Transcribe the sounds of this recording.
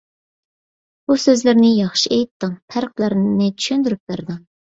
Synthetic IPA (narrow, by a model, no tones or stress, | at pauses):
busøzlɪɾnɪjɑχʃiejt̪ːɨŋpʰæɾq̚lˠəɾnɪt͡ʃʰy̥ʃynd̪yɾyp̚bæɾd̪ɨŋ